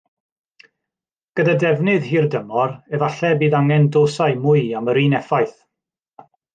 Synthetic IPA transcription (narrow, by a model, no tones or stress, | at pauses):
ɡ̥ədadɛvnɨðhiːrdəmɔɾɛvaɬɛbiːðaŋɛndoːsaɨmʊɨaməɾiːnɛfajθ